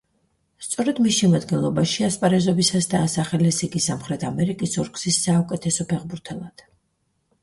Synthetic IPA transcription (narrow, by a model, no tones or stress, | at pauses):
st̪sʼɔɾɛd̪misʃɛmad̪ɡɛnlˠɔbaʃiaspʼaɾɛzɔbisasd̪aːsaχɛlɛsiɡisamχɾɛt̪ʰamɛɾikʼisɔɾkʼsisːaukʼɛt̪ʰɛsɔpʰɛʁbuɾt̪ʰɛlˠad̪̥